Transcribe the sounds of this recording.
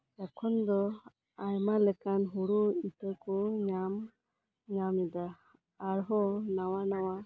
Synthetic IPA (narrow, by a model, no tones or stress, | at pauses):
ɛkʰɔnd̪ɔ | ajmalɛkanɦuɽuit̪əkɔɲam | ɲamid̪aː | ɾɦɔnawanawa